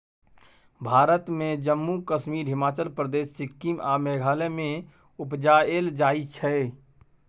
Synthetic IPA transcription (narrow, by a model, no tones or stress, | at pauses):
bʱaːɾət̪mẽd͡ʒəmːukəʃmiːɾɦɪmaːt͡ʃəlpɾəd̪eːʃːɪkːiːmʔa̰ːmɛːɡʱaːlɛmẽ | ʊpd͡ʒaːeːld͡ʒaːit͡ʃʰɛ